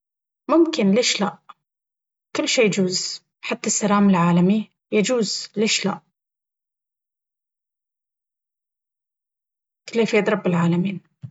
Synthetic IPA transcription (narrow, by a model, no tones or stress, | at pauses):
mʊmkɪnleːʃlaʔ | kʊlːʃeːjad͡ʒuːz | ħat̪ːasːaɾaːmɪlʕaːlami | jad͡ʒuːzleːʃla̰ʔ | k̪ɪlːeːfeːd̪ɾˤɑbːɪlʕaːlamiːn